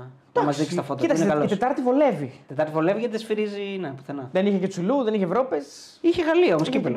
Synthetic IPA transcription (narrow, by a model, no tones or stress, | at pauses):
d̪̥ɐmɐzsðikst̪ɐfot̪ɐit̪ɐsnekɐloit̪et̪ɐɾt̪ivo̞le̞vit̪et̪ɐɾt̪ivo̞levʝet̪esfiɾizinepu̥θenɐðeniçecet͡suluðeniçevɾo̞pes | içeɣɐliɐomoskkipil